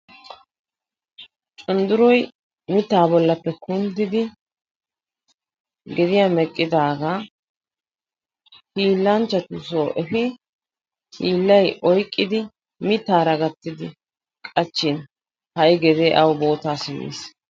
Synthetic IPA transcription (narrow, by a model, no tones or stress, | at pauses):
t͡ʃʼʊnd̪ʊɾɔj | mɪt̪ːaːbɔlːɐpːɛkʊnd̪ɪd̪ɪ | ɡɛd̪ɪjaːmɛkʼːɪd̪aːɡaː | hiːlːɐnt͡ʃːɐt̪ʊsoːʔɛfɪ | hiːlːɐjʔɔjkʼːɪd̪ɪ | mɪt̪ːaːɾɐɡɐt̪ːɪd̪ɪ | kʼɐt͡ʃːɪn | hɐjɡɛd̪eːʔɐwbo̞ːt̪aːsɪmːḭːs